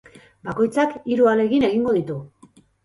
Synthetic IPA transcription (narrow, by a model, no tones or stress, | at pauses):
bako̞jt͡sakiɾuale̞ɣine̞ɣ̞iŋɡo̞ð̞it̪u